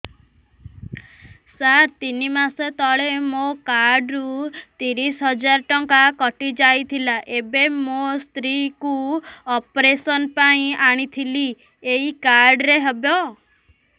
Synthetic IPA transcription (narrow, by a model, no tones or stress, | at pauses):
saɾt̪inimaset̪ɔɭemokaɾɖɾut̪iɾisɦɔd͡ʒaɾʈɔŋkakɔʈid͡ʒajt̪ʰilaʔebemost̪ɾikuɔpɾesɔnpaĩaɽ̃it̪ʰili | eikaɾɖɾeɦɔbjɔ